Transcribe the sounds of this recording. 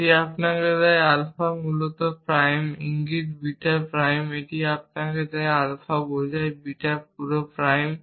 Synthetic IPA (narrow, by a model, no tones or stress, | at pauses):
ʈiapnaked̪ɛjalfamulot̪opɾajmḭŋɡiʈbiʈaɾpɾajmeʈiap̚naked̪ɛjalfabojd͡ʑajbiʈap̚uɾopɾajm